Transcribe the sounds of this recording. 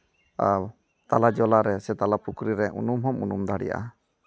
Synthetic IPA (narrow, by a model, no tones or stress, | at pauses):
a | t̪alad͡ʒɔlaɾɛsɛt̪alapukɾiɾɛʔṵnumɦɔmunumd̪ʱaɽḭja̰ʔa̰